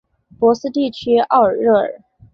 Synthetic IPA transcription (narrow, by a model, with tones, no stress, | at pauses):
pwɔ˧˥sɹ̩˥t̪i˥˩t͡ɕʰy˥ɑ˥˩ʊə˞˨˩ɻɤ˥˩ə̰˞˨˩˦